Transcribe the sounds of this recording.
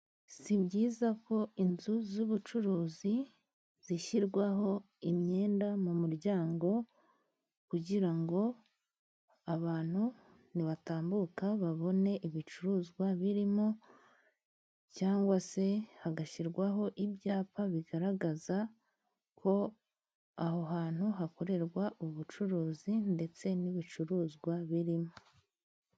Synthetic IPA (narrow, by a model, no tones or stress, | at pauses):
sibɟiːzako̞inzuzuβut͡ʃuɾuːzi | z̥iʃiɾɡwaɦo̞ | imɲe̞ːndamumuɾɟaːŋɡo̞ | kuɟiɾaŋɡo̞ | aβaːn̥hu | niβataːmbukaβaβo̞ne̞ʔiβit͡ʃuɾuːzɡwaβiɾimo̞ | caːŋɡwase̞haɡaʃiɾɡwaɦo̞ʔibjaːpaβiɡaɾaɡaza | kʰo̞ | aɦo̞ɦaːn̥huɦako̞ɾe̞ɾɡwaʔuβut͡ʃuɾuːzinde̞t͡se̞niβit͡ʃuɾuːzɡwaβiɾimo